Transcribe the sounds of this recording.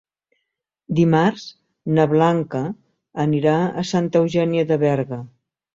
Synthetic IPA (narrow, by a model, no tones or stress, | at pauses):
d̪imarz̥ | nəβlaŋkəː | niɾaəsant̪əwʒɛniəðəβɛɾɣə